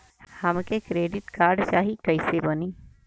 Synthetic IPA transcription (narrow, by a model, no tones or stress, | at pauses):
hɐmkekɾeːɖɪʈkaːɾɖt͡ʃaːɦikɐisebəniː